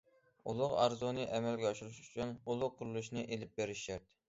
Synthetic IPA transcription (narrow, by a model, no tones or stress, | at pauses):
ṵlˠʊqɑ̰ɾzunɨʔɛmɛlɡʲɛɑʃuɾuʃy̥t͡ʃʰynulˠʊqʰːʊɾlˠuʃnɨʔelɪp̚beɾɪʃæɾt̪